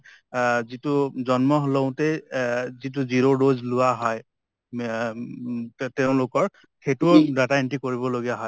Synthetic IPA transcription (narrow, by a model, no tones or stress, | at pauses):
zituzɔnmɔɦloʊ̃tɛzit̬uziɹodozlʊwaɦɔj | tɛʊ̃lʊkɔɹ | ketudataentikoɹibɔloɡijaɦɔj